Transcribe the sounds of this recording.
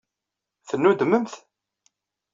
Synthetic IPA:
θənːud̪əməmθ

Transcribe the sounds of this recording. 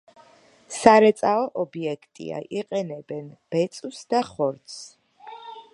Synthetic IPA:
saɾɛt̪sʼaɔʔɔbiɛkʰt̪ʼḭa̰ʔiqʼɛnɛbɛnb̥ɛt̪sʼusd̪aχɔɾt̪s

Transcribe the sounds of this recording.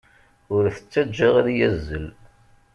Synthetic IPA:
ʊɾθə̥t͡sːæd͡ʒːəʁaðjæzːəl

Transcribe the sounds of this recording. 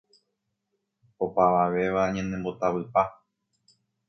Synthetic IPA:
opaʋaʋe̞ʋaɲãnẽmbo̞t̪aʋɨpa

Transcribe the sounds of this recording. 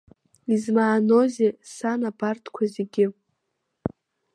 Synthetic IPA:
izmaːno̞zesanabartʰkʷʰazeɡʲɪ

